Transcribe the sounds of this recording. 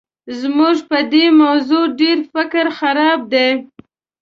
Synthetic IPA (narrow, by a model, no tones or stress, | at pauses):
zmuʒpəd̪emawzuɖeɾfɪkɾxaɾɑb̚d̪e